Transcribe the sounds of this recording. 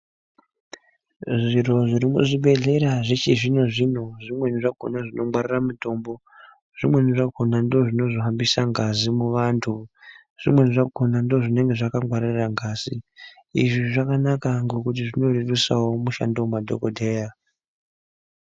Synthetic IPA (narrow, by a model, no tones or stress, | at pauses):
ʐiro̞ʐiɾimṵʐiɓe̞ɮe̞ɾaʐet͡ʃiʐino̞ʐino̞ʐimwe̞niʐaɡʱonaʐino̞mwariramuto̞mbo̞ | ʐ̥imwe̞niʐaɡʱonando̞ʐino̞ʐoɦambisaŋɡazimuʋantʰu | ʐ̥imwe̞nʐaɡʱo̞nando̞ʐine̞ŋɡe̞ʐakaŋwaɾiraŋɡaːz̥i | ḭʐiʐakanakaŋɡo̞kut̬iʐino̞rirusawo̞muʃa̰ndomadʱo̞̰kodʱe̞ːja